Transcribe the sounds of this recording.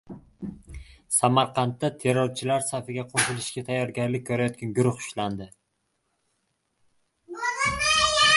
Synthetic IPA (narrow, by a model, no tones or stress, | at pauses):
samaɾqʰɑnt̪ːat̪ʰe̞ɾːoɾt͡ʃʰɪlaɾsafɪɡʲaqʰoʃɪlɪʃɡʲat̪ʰajːɒɾɡʲaɾlɪkʲʰːɵɾajɒt̪̚kʲanɡʊɾʊχʊ̥ʃland̪ɪ